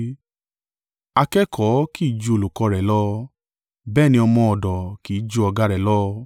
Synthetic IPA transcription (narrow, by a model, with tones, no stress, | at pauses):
a˧kɛ˦kʰɔ˨˦ki˦i˦˨d͡ʒu˧o˧lu˨kɔ˧˦ɾɛ˨lɔ˦ | bɛː˦˨nĩ˧˦ɔ˧mɔ̃˧ɔ˨dɔ˨ki˨˦i˦d͡ʒu˦ɔ˧ɡa˦ɾɛ˨lɔ˦